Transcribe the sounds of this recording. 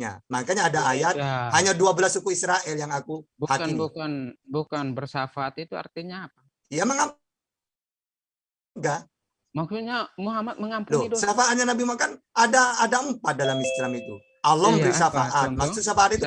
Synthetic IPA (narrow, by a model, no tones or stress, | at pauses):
a̰makaɲaːdaːjat̪haɲaduabəlasukuisɾaʔɛljaŋakubuhatibuanbukanbərsafaːt̪it̪ua̰rt̪iɲaːp̚a | jaməŋa | ɡa | maksuɲamuɦamat̪̚məŋampdɔsafaːt̪̚ɲanabimakanadaːdaəmpat̪̚dalamist̪ɾamit̪u | ʔalɔmbəɾisafaʔat̪̚makssus̬afaːt̪it̪u